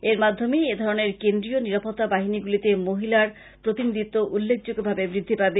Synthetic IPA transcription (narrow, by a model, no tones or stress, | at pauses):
eɾmad̪ʱːomeed̪ʱɔɾoneɾkend̪ɾioniɾapot̪ːabaɦiniɡulit̪emoɦilaɾ | pɾot̪inid̪it̪ːoʔulːek̚d͡ʑoɡobʱabebɾid̪ʱːipabe